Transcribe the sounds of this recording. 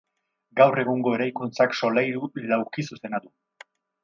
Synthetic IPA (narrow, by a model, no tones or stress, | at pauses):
ɡawre̞ɣuŋɡo̞e̞ɾajkunt͡sakso̞lajɾulawkisuse̞nat̪u